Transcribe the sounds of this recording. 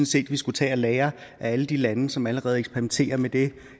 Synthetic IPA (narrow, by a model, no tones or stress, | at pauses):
nse̝̰ːd̥ʋisɡ̥ut͡sʰɛ̰ːælɛːɐʔææləd̥ilænəsɒ̽mæləʁɛːð̞̩ˠeɡ̥sb̥peʁiment͡sʰe̝̰ːɐmed̥e̝